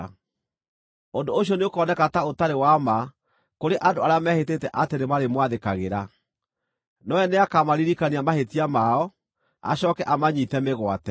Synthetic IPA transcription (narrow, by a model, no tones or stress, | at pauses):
ondooɕjɔneokɔːnɛkataotaɾewama | koɾeʔandoaɾeamɛheteːtɛʔatenemaɾemwaðekaɣeɾa | nɔɛneakamaɾiɾikaniamahetiamaɔ | a̰ɕɔːkɛʔamaɲitɛmeɣwa̰tɛ